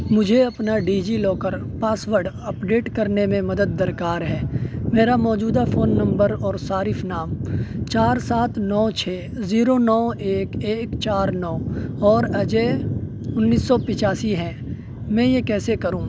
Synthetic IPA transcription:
mʊd͡ʒʱeɐpnaɖiːd͡ʒilɔːkəɾpaːswəɾɖ | ɐpɖeːʈkɐɾnemẽmɐd̪əd̪̚ːɐɾkaːɾɦɛːmeːɾamɔːd͡ʒuːd̪afoːnːɐ̃mbəɾɔːɾsaːɾɪfnaːmt͡ʃaːɾsaːt̪ʰnɔːt͡ʃʰeː | ziːɾonɔːeːkeːkt͡ʃaːɾnɔːɔːɾɐd͡ʒe | ʊnːiːsːɔpɪt͡ʃaːsiɦɛ̃ː | mɛ̃ːjekɛːsekɐɾũː

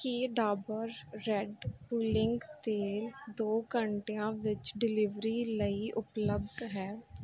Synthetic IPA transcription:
kiɖaːbəɾːɛɖpuːlɪ̃ŋɡt̪eːld̪oːkəɳʈejãʋɪt͡ʃɖɪlɪʋɾiləiʔʊpləb̚d̪ɦɛː

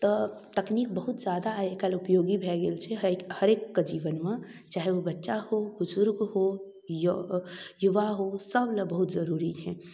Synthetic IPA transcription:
t̪ɔt̪ɐkniːk̚bɐɦʊt̪zjaːd̪aekəlʊpjoːɡibʱɛːɡelt͡ʃʰehɐɾeːkːad͡ʒiːʋənmẽt͡ʃaːɦeʋobɐtːʃahobʊzʊɾɡɦo | j | jʊʋaɦosɐblbɐɦʊt̪zɐɾuːɾid͡ʒʰɛ

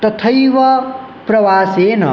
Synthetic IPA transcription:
t̪ɐt̪ʰɐjʋɐ | pɾɐʋaːseːnɐ̰

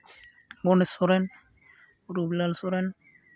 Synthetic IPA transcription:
ɡonesoɾen | ɾublalsoɾen

